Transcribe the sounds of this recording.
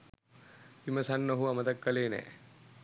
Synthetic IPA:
pimɐsɐnːoɦuɐmɐt̪ɐkːɐleːnɛ̰

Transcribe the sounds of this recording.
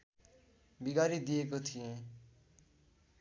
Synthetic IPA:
biɡaɾid̪ijekot̪ʰijẽ

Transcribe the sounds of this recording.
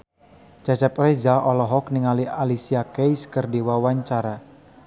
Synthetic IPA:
d͡ʒat͡ʃap̚rezaʔɔlɔɦɔk̚niŋalialisiakejskərdewawaɲt͡ʃaɾa

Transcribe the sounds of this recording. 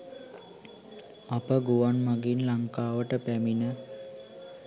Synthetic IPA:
apəɡuʋanmaɡinlaŋkaːʋəʈəpæminə

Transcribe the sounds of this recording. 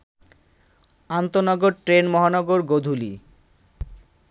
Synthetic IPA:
ant̪onɔɡoɾʈɾenmɔɦanɔɡoɾɡod̪ʱulḭ

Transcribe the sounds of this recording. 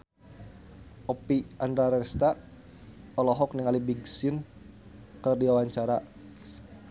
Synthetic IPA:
ʔɔpiandɾaɾɛst̪a | ɔlɔɦɔk̚niŋalibiɡsin | kərdiwawaɲt͡ʃaɾa

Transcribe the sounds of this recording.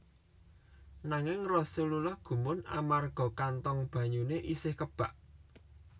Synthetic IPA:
naŋɪŋrɔsululɔhɡ̥ṳmʊna̰marɡ̥ɔ̤kant̪ɔŋb̥ä̤ɲuneʔisɪhkəb̥a̤ʔ

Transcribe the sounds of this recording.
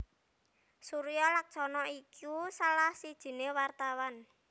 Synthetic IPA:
suɾijɔlak̚t͡ʃɔnɔikʰusalahsid̥ʒ̥i̤newart̪awan

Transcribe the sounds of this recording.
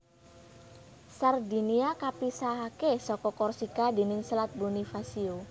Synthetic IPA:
sard̪i̤niakapisakesɔkɔkɔrsikadi̤nɪŋslat̪̚bunifasio

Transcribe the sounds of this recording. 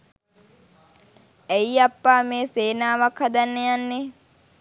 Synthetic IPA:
ejapːaːmeːseːnaːʋakhad̪anːejanːe

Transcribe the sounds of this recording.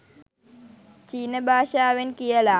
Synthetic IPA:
t͡ʃiːnəbʱaːʃaːʋenkijɐla

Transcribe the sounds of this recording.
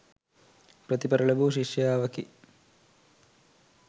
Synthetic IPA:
pɾɐt̪ipɐɾɐɭɐbuːʃiʂjaːʋɐki

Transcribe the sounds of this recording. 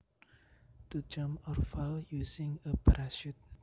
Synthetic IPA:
t̪ud͡ʒamɔrfaljusɪŋəbɾaʃut̪̚

